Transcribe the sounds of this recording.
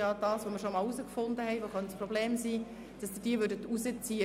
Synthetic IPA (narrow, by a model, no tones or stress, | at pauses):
ɑːd̥ɑːsʋoməɾʃomɑːlusəkfʊndəhɛɪʋoχœntsprɔbleːmsiː | d̥ɑsd̥ɪd̥iəvʏɾdətuzət͡siːə